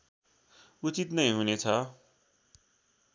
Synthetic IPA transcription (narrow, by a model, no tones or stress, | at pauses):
ut͡sit̪nʌj̃ɦunet͡sʰʌ